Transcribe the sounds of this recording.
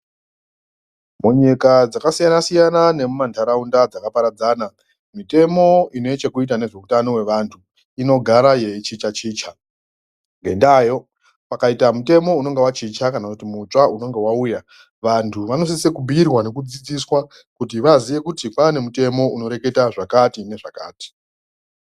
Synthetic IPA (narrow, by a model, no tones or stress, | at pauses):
muɲikad͡zakasijanasijanane̞mumantʰaɾaundad͡zakapaɾad͡zaːna | mite̞mo̞ine̞t͡ʃe̞kuitane̞ʐe̞utano̞we̞ʋantʰu | ino̞ɡʱaɾaje̞t͡ʃit͡ʃat͡ʃiːt͡ʃa | ŋɡe̞ndaːjo̞ | pakaitamute̞mo̞uno̞ŋɡe̞wat͡ʃit͡ʃakanakutimut͡ʂauno̞ŋɡe̞wauja | ʋantʰuʋano̞s̬ise̞kubʱiirwane̞kud͡zid͡ziswa | kutiʋaziʋe̞kutipane̞mute̞mo̞uno̞ɾe̞ke̞taʐakatine̞ʐaka̰ːti̥